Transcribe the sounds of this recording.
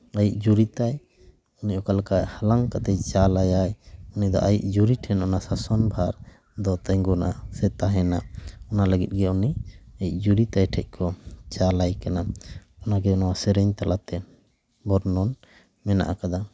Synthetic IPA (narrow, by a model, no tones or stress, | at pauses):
ajiʔ̚d͡ʒuɾit̪aj | unicɔkalkahalaŋkat̪ɛt͡ʃalajajunid̪ɔ̰ʔajiʔ̚d͡ʒuɾiʈʰɛnʔɔnasasɔnbʱaɾ | d̪ɔt̪ɛŋɡɔnasɛt̪aɦɛnaɔnaləɡit̪̚ɡɛuniajiʔ̚d͡ʒuɾit̪ajʈʰɛc̚ˀkʰɔt͡ʃalajkanaɔnaɡɛɔnawasɛɾɛɲt̪alat̪ɛ | bɔɾnɔn | mɛna̰ʔakad̪a